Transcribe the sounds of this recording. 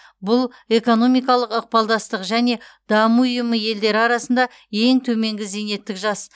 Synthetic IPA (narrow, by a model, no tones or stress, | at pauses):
bʊlˠ | e̞ko̞no̞mijkɑlˠəqəq̚pɑlˠd̪ɑst̪əqʒæne̞d̪ɑməʊjəməje̞ld̪e̞ɾɪɑɾɑsənd̪ɑ | e̞ŋt̪ʰɵme̞ŋɡʲɪzene̞t̪ːɪkʒɑs